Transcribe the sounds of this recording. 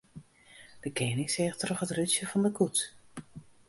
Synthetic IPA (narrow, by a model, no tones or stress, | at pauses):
d̥əkeːnɪkseːχtrɔχətryt͡ʃjəvɔndəkut